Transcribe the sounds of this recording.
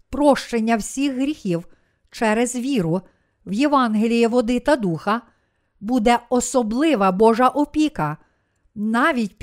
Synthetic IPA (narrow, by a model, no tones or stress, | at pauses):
pɾɔʃt͡ʃenʲːɐwsʲixɦɾʲixʲiw | t͡ʃɛɾezʋʲiɾʊ | wjeʋɑnɦelʲijiʋɔd̪ɪt̪ɐd̪uxɐ | bud̪ɛɔsɔblˠɪʋɐbɔʒɐʔɔpʲikɐ | nɑʋʲit̚ʲ